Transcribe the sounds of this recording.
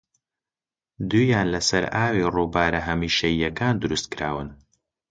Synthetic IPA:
d̪uːjaːnlɐsɐɾaːwiruːbaːɾɐɦɐmiːʃɐjːɐkaːnd̪ʊɾust̪̚kɨɾaːwɨn

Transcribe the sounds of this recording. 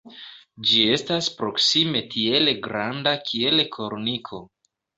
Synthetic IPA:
d͡ʒie̞staspɾo̞ksime̞tʰie̞lɡɾandakʰie̞lekʰo̞ɾnikʰo̞

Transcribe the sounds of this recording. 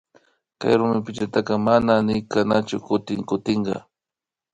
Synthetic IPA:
ka̰jɾʊmɪpɪt͡ʃat̪ɑqɑmananɪjkanat͡ʃʊkʊt̪ɪŋkʊt̪ɪɴɢɑ̰

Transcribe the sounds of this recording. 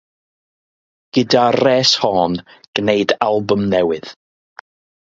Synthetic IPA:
ɡ̥ɨdarɛːshɔːnɡ̥nejdalˠbʊmnɛwɨð̥

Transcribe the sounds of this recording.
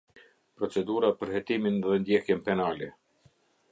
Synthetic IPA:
pɾɔt͡sɛd̪uɾapəɾhɛt̪iminðɛnd̪jɛhjɛnpɛnalɛ

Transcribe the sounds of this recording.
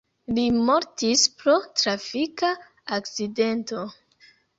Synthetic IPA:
limoɾtispɾo̞tɾafika | ak̚t͡side̞nto̞

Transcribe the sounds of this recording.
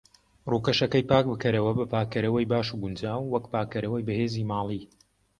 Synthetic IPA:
ruːkɐʃɐkɐjpaːk̚bɨkʰɐɾɐwɐbɐpaːkɐɾɐwɐjbaːʃuɡʊnd͡ʒaːwːɐkpaːkɐɾɐwɐjbɐheːziːmaːlˠi

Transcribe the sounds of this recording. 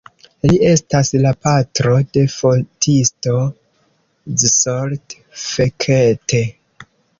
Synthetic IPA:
liʔe̞staslapatɾo̞de̞fo̞ltʰisto̞ | zsoɾt | fe̞kʰete

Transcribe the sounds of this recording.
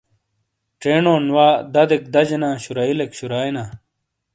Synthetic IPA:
ʈ͡ʂeːnoːnwaːd̪ɐd̪ek̚d̪ɐd͡ʑenãːɕuɾɐilekɕuɾaːjnaː

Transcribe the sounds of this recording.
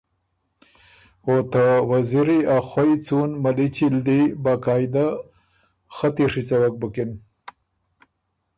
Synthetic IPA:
ot̪awaziɾiaxwajt͡sunmalit͡ʃild̪ibaːkɑːjd̪a | xat̪iʂit͡sawak̚bəkin

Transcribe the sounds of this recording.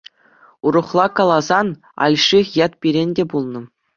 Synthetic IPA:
uɾɤ̆χlˠɑkɑlˠɑzɑn | ɑ̰lʲʂiχjɑt̪̚pʲiɾʲenʲdʲebulˠnɤ̆

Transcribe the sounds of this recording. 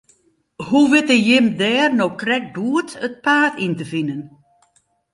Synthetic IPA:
huʋɪtəjɪmdɛːrnowkrɛk̚buːətət̚paːtʰintəfinən

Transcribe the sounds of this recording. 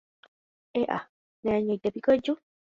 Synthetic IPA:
eʔa̰ | nẽãɲõit̪epikod͡ʒu

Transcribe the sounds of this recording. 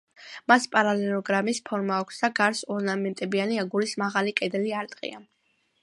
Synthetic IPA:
maspʼaɾalɛlˠɔɡɾamispʰɔɾmaːkʷʰsd̪aɡaɾsɔɾnamɛnt̪ʼɛbianiaɡulismaʁalikʼɛd̪ɛliaɾt̪ʼqʼḭa

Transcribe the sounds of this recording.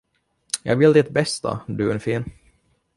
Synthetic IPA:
jɑ̰ːɡvɪld̪ɪt̪bɛst̪ʰa̰d̪ɵɛnfiːn

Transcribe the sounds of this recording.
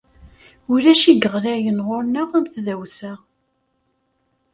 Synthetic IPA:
ʊlæʃiɡəʁlæjənʁoɾnəʁæmθðæwsæ

